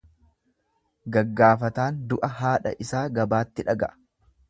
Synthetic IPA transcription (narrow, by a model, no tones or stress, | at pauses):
ɡɐɡːaːfɐt̪aːnd̪ʊʔɐɦaːᶑɐ̰ʔɪsaːɡɐbaːt̪ːɪᶑɐɡɐʔɐ̥